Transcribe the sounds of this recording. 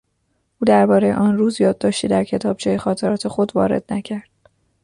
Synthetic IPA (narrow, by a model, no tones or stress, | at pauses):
ʔuːd̪æɾbɒːɾe̞jeʔɒːnruːzjɒːd̪̚ːɒːʃt̪iːd̪æɾcʰe̞t̪ʰɒːb̥̚t͡ʃʰejexɒːt̪ʰe̞ɾɒːt̪ʰe̞xod̪vɒ̰ːɾe̞̰d̪̥næcʰæɾd̪̥